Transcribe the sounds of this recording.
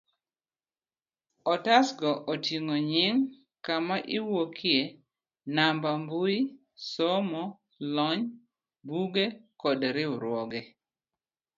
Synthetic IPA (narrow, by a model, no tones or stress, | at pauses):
ɔtasɡɔʔotiŋoɲɪŋ | kamaʔɪwokʰje | nambambui | sɔmɔ | lɔɲ | buɡekɔdɾɪʊɾwɔɡɛ